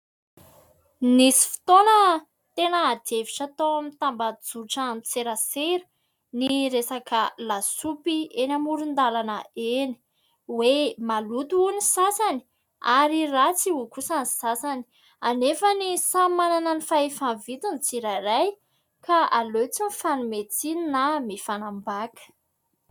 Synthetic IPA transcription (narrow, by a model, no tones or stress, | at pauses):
nisi̥fi̥t̪onə | t̪enəːd̪eviʈ͡ʂat̪oamint̪ambad͡zuʈ͡ʂəamit͡seɾəseɾə̥ | niɾesakəlasupienamuɾund̪alanəeni̥ | wemalut̪uunisasani̥ | aɾirat͡siukusanisasani̥ | anefənisamananənifaefanvit̪unit͡siɾaɾaj | kaalot͡sinifanumet͡sininamifanambakə̥